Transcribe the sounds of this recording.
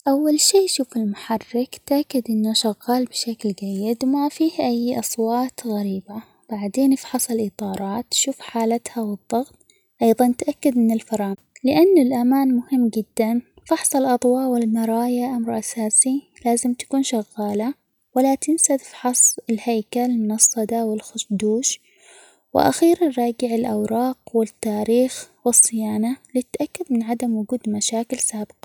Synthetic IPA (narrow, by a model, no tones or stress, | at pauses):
ʔawːalʃiːʃuːfɪlmʊħɑrˤːɪkt̪ʔakːad̪ʔɪnːaʃaɣːɑːlbɪʃaklɡajːɪd̪wmafiːhʔajːʔɑsˤwɑːt̪ɣaɾiːba | b̥aʕd̪eːnfħɑsˤɪlʔit̪ˤɑːɾˤɑːt̪ʃuːfħaːlat̪hawɨðˤːɑɣt̪̚ˤ | ʔɑjðˤɑnt̪ʔakːad̪mɪnɪlfɑɾˤɑːn | lɪʔanːalʔamaːnmʊhɪmːd͡ʒɪd̪ːan | fɑħsˤɑlʔɑðˤwɑːʔwɪlnɑɾˤɑːjaʔamɾʔasaːsi | laːzɪmt̪ḁkuːnʃaɣːaːla | walat̪ɪnsaðfħɑsˤɪlhajkalmʊnɑsˤːɑd̪awɪlxʊʃd̪uːʃ | wɪ̰ʔa̰xiːɾanɾˤɑːɡɪʕɪlʔawɾˤɑːqwɪt̪ːaːɾiːxwɨsˤːɪjaːnalɪt̪ːaʔakːad̪mɪnʕad̪amwʊɡuːd̪maʃaːkɪlsaːbɪ̥qɑ̥